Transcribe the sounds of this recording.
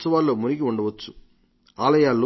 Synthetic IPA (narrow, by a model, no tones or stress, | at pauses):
sɐʋaːlːoːmuɾikiuɳɖɐʋɐt͡ʃːu̥ | aːlɐjaːlːo